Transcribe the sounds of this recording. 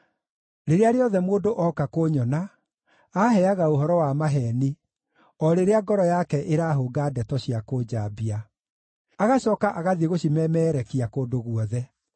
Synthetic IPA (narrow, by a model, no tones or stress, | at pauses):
ɾeɾeaɾeɔðɛmoːdoʔɔkakoɲɔnaː | ɦɛaɣaoɦɔɾɔwamaɦɛni | ɔɾeɾeaɡɔɾɔjakɛʔeɾaːɦoːɡaːdɛtɔɕiakoːd͡ʑabia | aɣaɕɔːkaʔaɣaðieɣoɕimɛmɛːɾɛkiakoːdoɣuɔðɛ